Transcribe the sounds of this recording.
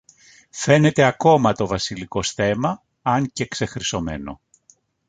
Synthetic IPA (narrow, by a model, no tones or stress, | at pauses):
fe̞ne̞t̪e̞ɐko̞mɐt̪o̞vɐsiliko̞sθe̞mɐ | ɐŋce̞kse̞xɾiso̞me̞̰no̞̰